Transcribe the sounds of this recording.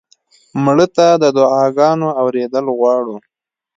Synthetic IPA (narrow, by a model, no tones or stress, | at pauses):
mɽət̪ad̪əd̪ʊɑɡɑnoawɾed̪əlɣwɑɽu